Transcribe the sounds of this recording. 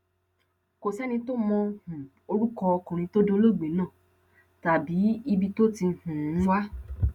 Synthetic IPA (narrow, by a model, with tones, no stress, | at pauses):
ko˨sɛ˦nĩ˧to˦mɔ̃˧hũ˨ | o˧ɾu˦kɔ˧ɔ˧kũ˨ɾ̃ĩ˧to˦do˦lo˦˨ɡ͡be˨˦nãː˦˨ | ta˨bi˨˦i˧bi˧to˦ti˧˨hũ˨˦wa˦